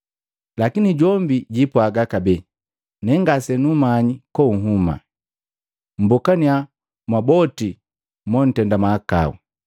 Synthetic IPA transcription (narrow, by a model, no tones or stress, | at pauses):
lakiniɟɔmbiɟipɔaɡakabɛ | nɛŋɡasɛnumaɲikɔuŋ̩ɦuma̰ | m̩bɔkania | mwabɔti | mɔn̩tɛndamaaka̰ṵ